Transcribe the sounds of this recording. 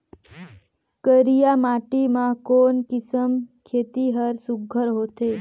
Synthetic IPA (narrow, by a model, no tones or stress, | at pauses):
kəɾijamaʈimãkonkɪsəmkʰet̪iɦəɾsuɡʱːəɾɦot̪ʰe